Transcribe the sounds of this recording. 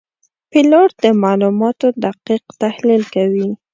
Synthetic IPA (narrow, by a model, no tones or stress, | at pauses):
pilɑʈd̪əmɑlumɑt̪od̪aqiqt̪ahlilkawi